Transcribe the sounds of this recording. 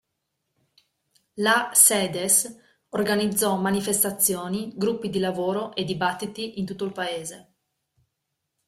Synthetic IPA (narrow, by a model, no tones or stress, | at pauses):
lasɛːd̪es | orɡanid̪zːɔmanifest̪at̪sːjoːniɡɾupːid̪ilavoːɾoʔed̪ibat̪ːit̪iʔint̪ut̪ːoilpaeːze